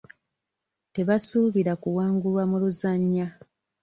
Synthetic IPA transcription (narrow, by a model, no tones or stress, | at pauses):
te̞βasuβiɾakuwaːŋɡulwamuluzaɲːa